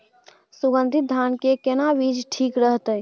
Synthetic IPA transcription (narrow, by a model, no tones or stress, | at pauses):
suɡə̃nd̪ʱit̪̚d̪ʱankekenabid͡ʒʈʰikɾəɦt̪əj